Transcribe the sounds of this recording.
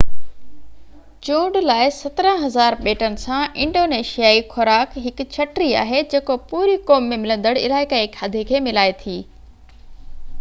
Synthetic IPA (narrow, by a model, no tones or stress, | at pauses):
t͡ɕũːɖlaːɪsɐt̪ɾə̃ɦɐzaːɾɓeːʈənɪ̆sãʔɪ̃ɳɖoːneːʃijaːixɔɾaːkɦɪkʊ̆t͡ɕʰɐʈɾia̰ːɦed͡ʑeːkopuːɾikoːmːẽmɪlə̃nd̪əɽɪ̰laːɪkaeːkʰaːd̪ʱekʰeːmɪlaːet̪ʰiː